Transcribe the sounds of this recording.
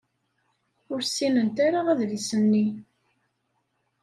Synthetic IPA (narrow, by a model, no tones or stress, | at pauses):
ʊɾsːinənt̪aɾaʁæðvisənːi